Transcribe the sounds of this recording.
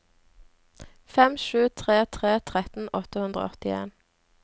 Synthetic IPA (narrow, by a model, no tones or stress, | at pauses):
fɛmʃʉːt̪ʰʁeːt̪ʰʁeːt̪ʰʁɛt̪n̩ɔt̪əhʉnd̪ʁo̰ːɔt̪ɪḛːn